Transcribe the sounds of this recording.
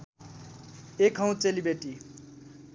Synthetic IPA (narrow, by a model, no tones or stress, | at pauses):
ekʰɦʌ̃w̃t͡selibeʈi